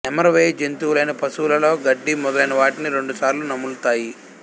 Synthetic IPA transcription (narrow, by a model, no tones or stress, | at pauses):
ɛmɐɾɐʋeːd͡ʒent̪uːlɐjnɐpɐsuːlɐlo̞ːɡɐɖːimɔd̪ɐlɐjnɐʋaːʈiniɾe̞ɳɖusaːɾlunɐmːulut̪aːji